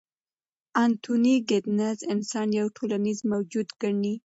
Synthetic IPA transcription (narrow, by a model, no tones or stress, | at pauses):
ant̪ʰuniɡɪd̪nazɪnsɑnjawʈʰolanizmawd͡ʒud̪ɡaɳi